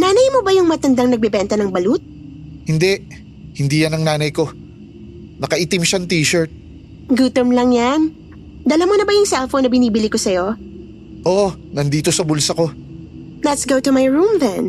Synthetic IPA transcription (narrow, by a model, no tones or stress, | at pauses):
naːnɐjmobɐjʊŋmɐt̪ɐnd̪ɐŋnɐɡ̚bɛbɛnt̪ɐnɐŋbɐlut̪̚ | hɪnd̪ɛʔ | hɪnd̪iːjɐnɐŋnaːnɐjko̞ | nɐkɐʔit̪ɪmʃɐŋt̪iːʃɛɹt̪̚ | ɡut̪ɛmlɐŋjan | d̪ɐlɐmonɐbɐjʊŋsɛlfownɐbɪniːbɪlikosɐjo̞ | ʔonɐnd̪iːt̪o̞sɐbʊlsɐko̞ | lɐt̪sɡowt̪umajɹũmðɛ̰̃n